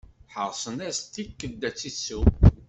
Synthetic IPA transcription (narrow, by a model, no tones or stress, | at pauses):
ħəʁˤsˤənæst̪ikːəd̪ːæt͡sːisu